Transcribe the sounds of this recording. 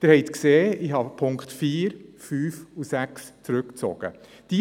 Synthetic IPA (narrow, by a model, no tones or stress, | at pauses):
d̪̥ɪɾhɛɪt̪kseːɪɦɑpʰʊŋkχtfiːɾfyːfusækst͡sɾʉkt͡sɔ̰ɡ̥ə̰ | d̥i